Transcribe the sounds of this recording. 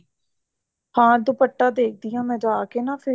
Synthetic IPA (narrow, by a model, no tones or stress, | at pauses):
hãːd̪ʊpəʈːãːd̪eːk̚ʰd̪ɪjãːmɛ̃ːd͡ʒaːkeːnãːpʰɪ